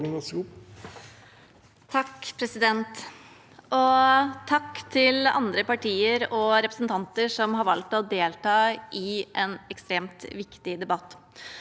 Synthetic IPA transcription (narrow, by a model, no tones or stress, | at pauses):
ɡɑsɡu | t̪ʰɑkːpʰɾɛsɪd̪ɛnt̪ | ʔɔt̪ʰɑkːt̪ʰɪlɑ̰nd̪ɾəpɑʈʰiːəɾɔɾɛpɾəsn̩t̪ʰɑnt̪əʂɔmhɑɾʋɑlk̚t̪ɔd̪eːlt̪ɑːʔɪʔɛnɛkst̪ɾeːmt̪ʋɪkt̪ɪd̪ɛbɑt̪ː